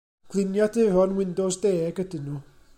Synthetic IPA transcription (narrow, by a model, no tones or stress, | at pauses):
ɡ̥lˠɪnjadʰɪrɔnwɪndɔsdeːɡ̥ədɪnuː